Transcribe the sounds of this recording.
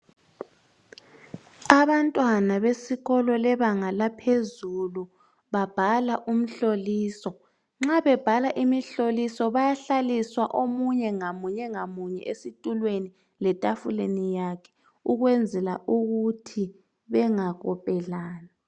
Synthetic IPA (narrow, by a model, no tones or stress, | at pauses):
aβantʼwanaβesiɣɔlɔlɛβaŋalapʰezulu | βab̥ʱalaʔum̩ɬoliːsɔ | ŋ͡ǁaβɛb̥ʱalaʔimiɬolisɔβajaɬaliswaʔomuɲɛŋamuɲɛŋamuɲɛ̰ʔesitʼulweni | lɛtʼafulenijakʰɛ̥ | uɣwɛnd͡zʱɛla̰ʔuɣutʰi | βɛŋaɣɔpʼɛlaːna